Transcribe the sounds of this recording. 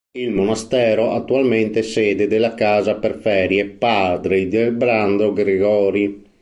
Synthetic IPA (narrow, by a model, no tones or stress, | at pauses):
ilmonast̪ɛːɾoʔat̪ːualment̪esɛːd̪ed̪elːakaːzaperfɛːɾjɛpad̪ɾid̪elbɾand̪oɡɾeɡɔːɾi